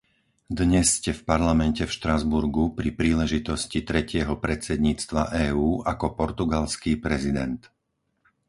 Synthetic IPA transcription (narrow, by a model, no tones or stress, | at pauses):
d̪ɲɛsːcɛfpaɾlamɛncɛfʃt̪ɾazbuɾɡupɾipɾiːlɛʒit̪ɔscit̪ɾɛcɪɛɦɔpɾɛt͡sɛd̪ɲiːt͡st̪ʋa̰ʔɛːuːʔakɔpɔɾt̪uɡalskiːpɾɛzid̪ɛnt̪